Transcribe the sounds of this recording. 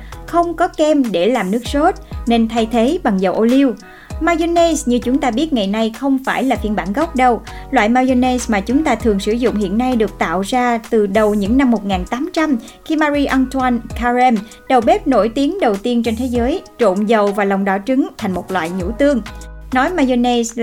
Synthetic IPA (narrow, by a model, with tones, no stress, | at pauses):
xə˧wŋ͡mkɔ˨˦kɛ˧mɗe˧˩laː˨˩mnɨ˦˥ək̚so˦˥t̚ne˧nt̪ʰa˧jt̪ʰe˨˦ɓa˨˩ŋzə˨˩wʔo˧li˧w | maː˧jzo˧ne˧sɲɨ˧t͡ɕʊ˨˦ŋ͡mt̪aː˧ɓi˦˥ət̚ŋa˨˩jna˧jxə˧wŋ͡mfaː˧˩jlaː˨˩fi˧ənɓaː˧˩nɣɔ˦˥wk͡p̚ɗə˧wlwa̰ː˧˨jmaː˧jo˧ne˧smaː˨˩t͡ɕʊ˨˦ŋ͡mt̪aː˧t̪ʰɨ˨˩əŋsɨ˧˩zʊ̰˧˨ŋ͡mhḭ˧˨ənːa˧jɗɨ˨˩ək̚t̪a̰ː˧˨wzaː˧t̪ɨ˨˩ɗə˨˩wɲɨ̰˧˥ŋna˧mːo˨˩t̚ŋaː˨˩nt̪aː˨˦mt͡ɕa˧m | xi˧maː˧ɾi˧ʔə˧nt̪ʰwa˧nkʰaː˧zɛ˧m | ɗə˨˩wɓe˦˥p̚no˧˥˩jt̪i˨˦əŋɗə˨˩wt̪i˧ənt͡ɕe˧nt̪ʰe˨˦zəː˨˦jt͡ɕo̰˧˨nzə˨˩wvaː˨˩la˨˩wŋ͡mɗɔ˧˩t͡ɕɨ˨˦ŋt̪ʰa˨˩ŋ̟mo˨˩t̚lwa̰ː˧˨jɲṵ˧˥t̪ɨ˧əŋnɔ˨˦jmaː˧jo˧ne˧s